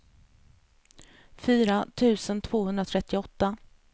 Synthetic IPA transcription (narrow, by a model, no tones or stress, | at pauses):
fyːɾat̪ʰʉ̟ːsənt̪ʰv̥oːhɵnd̪ɾat̪ʰɾɛt̪ːɪɔt̪ːa